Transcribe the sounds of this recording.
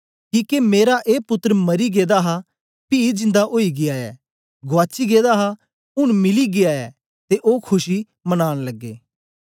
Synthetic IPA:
kiːkemeːɾaʔeːpʊt̪ːəɾmɐɾiɡeːd̪aɦa | pid͡ʒɪ̃nd̪aʔoːiɡɪaɛ̰ː | ɡʊaːt͡ʃiɡeːd̪aɦa | ʊɽ̃mɪliɡɪaːɛ̰ː | t̪eʔoːkʰʊʃi | mɐnaːɽ̃lɐɡːḛː

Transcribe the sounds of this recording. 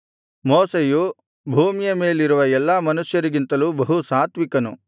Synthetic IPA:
moːseju | bʱuːmijɐme̞ːliɾuʋɐɛlːɐːmɐnusjɐɾiɡint̪ɐluːbɐɦusaːt̪ʋikɐnṵ

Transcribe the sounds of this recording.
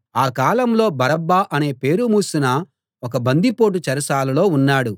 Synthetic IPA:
aːkaːlɐmlo̞ːbɐɾɐbːaːʔɐne̞ːpe̞ːɾumuːsunɐ | ɔk̬ɐbɐnd̪ipo̞ːʈ̬ut͡ʃɐɾɐsaːlɐlo̞ːunːaːɽu

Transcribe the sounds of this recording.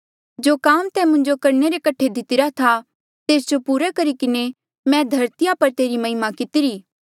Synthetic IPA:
d͡ʒoːkaːmt̪ɛmʊ̃ɲd͡ʒokɐɾneɾekɐʈʰed̪ɪt̪ɪɾat̪ʰa | t̪eːsd͡ʒopuːɾɛkɐɾikɪne | mɛ̃d̪ʱɐɾt̪ɪjapɐɾt̪eːɾimɐɦɪmakɪt̪ɪɾiː

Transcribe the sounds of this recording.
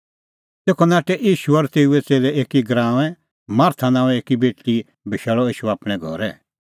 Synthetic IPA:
t̪eːkʰɔnaːʈɛʔiːʃuɔɾt̪eːuɛt͡seːlɛeːkiɡɾãːɛ̃ | maːɾt̪ʰanãːɛ̃eːkibeːʈːi | bʱɪʃɛːɭɔiːʃuaːpɽ̃ɛɡʱɔɾɛ

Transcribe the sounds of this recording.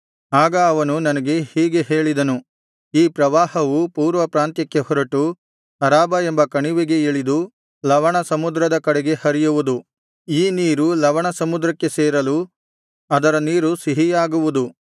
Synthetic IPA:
aːɡɐːʋɐnunɐnɐɡe̞hiːɡe̞ɦe̞ːɭid̪ɐnu | iːpɾɐʋaːhɐʋupuːɾʋɐpɾaːnt̪jɐkːe̞hɔɾɐʈu | ɐɾaːbɐe̞mbɐkɐɳiʋeɡe̞eɭid̪u | lɐʋɐɳɐsɐmud̪ɾɐd̪ɐkɐɽeɡe̞hɐɾijuʋud̪u | iːniːɾulɐʋɐɳɐsɐmud̪ɾɐkːe̞seːɾɐlu | ɐd̪ɐɾɐniːɾusiɦijaːɡuʋud̪u

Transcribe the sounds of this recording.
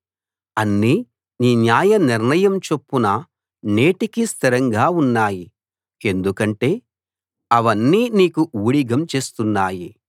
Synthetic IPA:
ɐnːi | niːnjaːjɐniɾnɐjɐmt͡ʃe̞pːunɐ | neːʈikist̪ʰiɾɐŋɡaːunːaːji | e̞nd̪ukɐɳʈe̞ː | ɐʋɐnːiːniːkuuːɽiɡɐmt͡ʃe̞ːst̪unːaːji

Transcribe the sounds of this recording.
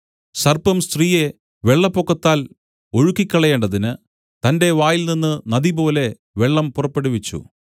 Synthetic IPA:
sɐrpɐmst̪riːje̞ | ʋe̞ɭːɐpːokːɐt̪ːaːl | o̞ɻukːikʲːɐɭɐjeːɳɖɐðinɨ | t̪ɐnde̞ʋaːjilninːɨnɐðibo̞ːle̞ | ʋe̞ɭːɐmpurɐpːe̞ɽuʋit͡ɕːṵ

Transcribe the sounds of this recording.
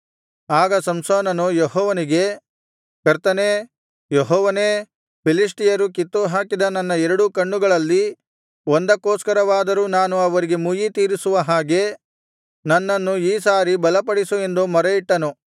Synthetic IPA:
aːɡɐsɐmsoːnɐnujeɦɔːʋɐniɡe̞ | kɐɾt̪ɐneː | jeɦɔːʋɐneː | pʰilis̬ʈijɐɾukit̪ːuɦaːkid̪ɐnɐnːɐɛɾɐɽukɐɳːuɡɐɭɐlːi | ond̪ɐkːoːskɐɾɐʋaːd̪ɐɾuːnaːnuɐʋɐɾiɡe̞mujit̪iːɾisuʋɐɦaːɡe̞ | nɐnːɐnːuiːsaːɾibɐlɐpɐɽisue̞nd̪umɐɾɐiʈːɐnu

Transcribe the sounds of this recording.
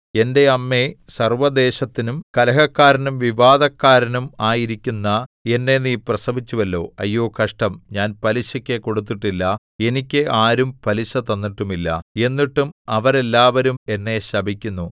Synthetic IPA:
e̞nde̞ɐmːe̞sɐrʋɐd̪e̞ːɕɐt̪ːinumkɐlɐɦɐkːaːɾɐnumʋiʋaːd̪ɐkːaːɾɐnumaːjiɾikʲːunːɐe̞nːe̞niːprɐsɐbʱit͡ɕːuʋɐlːo̞ːɐ̰jːo̞ːkɐʂʈɐmɲaːnpɐliɕɐkʲːeko̞ɽut̪ːiʈːilːɐ | e̞nikʲːeʔaːɾumpɐliɕɐt̪ːɐnːiʈːumilːɐ̰e̞nːiʈːumɐʋɐɾe̞lːaːʋɐɾume̞nːe̞ɕɐbʱikʲːunːu

